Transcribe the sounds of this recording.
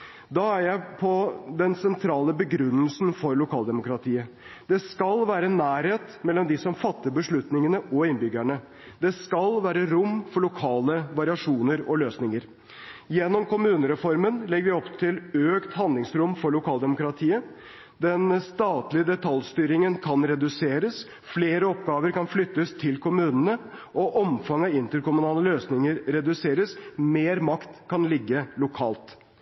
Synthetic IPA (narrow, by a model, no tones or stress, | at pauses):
d̪ɑːæɾjæɪpʰɔd̪ɛnsɛnt̪ʰɾɑːləbəɡɾʉnːəlsn̩fɔɾɭʊkʰɑːld̪ɛmʊkɾɑt̪ʰiːə | d̪̥ɛskɑlʋæːɾənæːɾheːt̪mɛlːɔmd̪ɪsɔmfɑt̪ːəɾbəʂɭʉt̪nɪŋənəʔɔɪnbʏɡæɳə | d̪̥ɛskɑlʋæːɾəɾʊmfɔɭʊkʰɑːləʋɑɾɪɑʂuːnəɾɔløːsnɪŋəɾ | jɛnːɔmkʊmʉːnəɾɛfɔɾmənlɛɡːəʋɪɔpt̪ʰɪløːkt̪hɑnd̪lɪŋsɾʊmfɔɭʊkʰɑːld̪ɛmʊkɾɑt̪ʰiːə | d̪ɛnst̪ɑːt̪lɪəd̪ɛt̪ʰɑlst̪yːɾɪŋənkʰɑnɾɛd̪ʉseːɾəs | fleːɾəɔpɡɑːʋəɾkɑnflʏt̪ːəst̪ʰɪlkʰʊmʉːnənə | ʔɔʔɔmfɑŋɑɪnt̪əɾkʊmʉnɑːləløːsnɪŋəɾɾɛd̪ʉseːɾəsmeːɾmɑkt̪kʰɑnlɪɡːəlʊkʰɑːlt̪